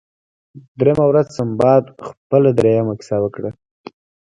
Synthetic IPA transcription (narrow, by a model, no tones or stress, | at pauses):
d̪ɾemawɾazsambɑd̪xpəlad̪ɾejamakɪ̥sɑwəkɽa